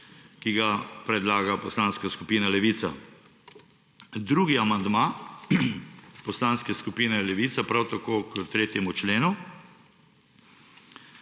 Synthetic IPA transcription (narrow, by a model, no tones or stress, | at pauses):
kiɡapɾɛd̪laːɡapɔslaːnskaskupiːnalɛʋiːt̪sa | d̪ɾuːɡiamand̪ma | pɔslaːnskɛskupiːnɛlɛʋiːt̪sapɾawt̪akoːkət̪ɾeːt̪jɛmut͡ʃleːnu